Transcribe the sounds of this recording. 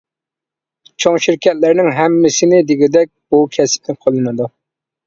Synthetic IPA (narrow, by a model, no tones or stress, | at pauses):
t͡ʃʰoŋʃiɾkʲʰɛt̪læɾnɪŋɦɛmːɪsɪnɪd̪ɪɡʲɪd̪ɛk̚ʲbukʲʰɛsɪ̥p̚nɪqʰɑlˠɨnɨd̪u